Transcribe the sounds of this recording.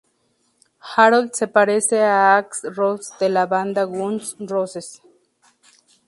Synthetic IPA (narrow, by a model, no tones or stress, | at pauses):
xaɾold̪sepaɾeseaaksrosd̪elaβand̪aɣunsroses